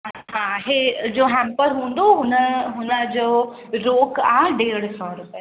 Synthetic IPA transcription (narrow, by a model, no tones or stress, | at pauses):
ɦãɦed͡ʑoːɦɛ̃mpəɾɦũːnd̪oɦʊnəɦʊnəd͡ʑoː | ɾoːkaɦɖeːɽsɔɾʊpe